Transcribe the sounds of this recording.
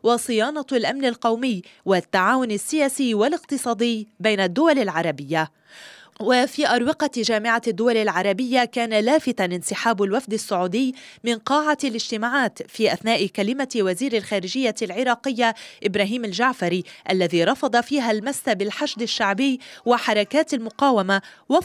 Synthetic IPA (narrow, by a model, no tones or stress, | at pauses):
wɑsˤɨjɑːnɑlʔamnɪlqɑwmɪjːwat̪ːaʕaːwʊnasːɪjaːsiːwalɪqt̪ɨsˤɑːd̪ɪjːbejnad̪ːʊwalɪlʕɑɾˤɑbɪjːa | wafiːʔɑɾˤwɪqɑʒaːmɪʕad̪ːʊwalɪlʕɑɾˤɑbɪjːakaːnalaːfɪt̪anʔɪnsɪħaːbalwafd̪asːʊʕuːd̪ɪjːmɪnqɑːʕalɪʒt̪ɪmaʕaːt̪fiːʔaθnaːʔɪkalɪmawaziːɾalxaːɾɪʒɪjːalʕɪɾˤɑːqɪjːaʔɪbɾaːɦiːmalʒaʕfaɾiʔalːaðiːɾˤɑfɑd̪ˤɑfiːɦalmasːabɪlħaʃd̪ɪʃːaʕbɪjːwaħɑɾˤɑkaːt̪almʊqɑːwamawa